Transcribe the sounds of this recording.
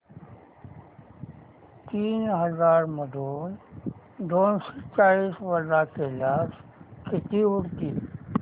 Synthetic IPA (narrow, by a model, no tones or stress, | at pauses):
t̪iːnɦəzaɾməd̪ʱon | ɖonsit͡ʃaɭiːsʋəɾdakelaskɪt̪iuɽt̪i